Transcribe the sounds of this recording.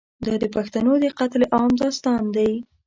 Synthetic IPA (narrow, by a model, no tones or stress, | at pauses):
d̪ɑd̪əpaxt̪anod̪əqat̪leʔɑmd̪ɑst̪ɑnd̪aj